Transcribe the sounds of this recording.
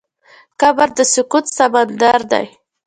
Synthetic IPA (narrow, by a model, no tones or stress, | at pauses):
kabaɾd̪əsʊkut̪samand̪aɾd̪a̰j